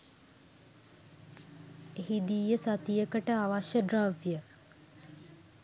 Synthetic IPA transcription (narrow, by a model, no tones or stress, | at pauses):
eɦid̪iːjəsat̪ijəkəʈəaʋaʃjəɖɾaʋjə